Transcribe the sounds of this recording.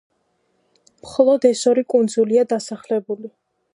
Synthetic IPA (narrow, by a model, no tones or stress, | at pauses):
mχɔlˠɔd̪ɛsɔɾikʼund̪zuliad̪asaχlɛbuli